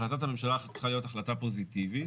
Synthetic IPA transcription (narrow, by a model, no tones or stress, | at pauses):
lat̪atame̞mʃalaːχat̪t͡si̥χalijot̪aχlat̪apo̞zit̪ivi